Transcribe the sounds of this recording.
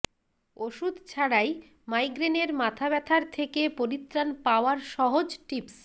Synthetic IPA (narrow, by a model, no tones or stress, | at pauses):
oʃud̪t͡ɕʰaɽaj | majɡɾeneɾmat̪ʰabɛt̪ʰaɾt̪ʰekepoɾit̪ːɾanpaoaɾʃɔɦod͡ʑʈips